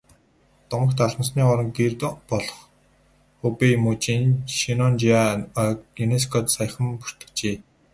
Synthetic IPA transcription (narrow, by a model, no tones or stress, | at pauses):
t̪ʊɴə̆kt̪ʰaɮʁə̆sniːɔɾɞ̆ŋɡert̪pɔɮɞ̥̆χ | xupemut͡ɕinʃinɔnt͡ɕia | enes̬kʰɔt̪saj̆χə̆mpur̥t̪ɵ̥̆kt͡ɕeː